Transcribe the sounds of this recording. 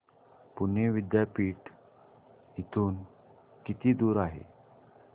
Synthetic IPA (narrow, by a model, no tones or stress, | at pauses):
puneʋid̪japiːʈ | it̪uːn | kit̪iːd̪uːɾaɦḛ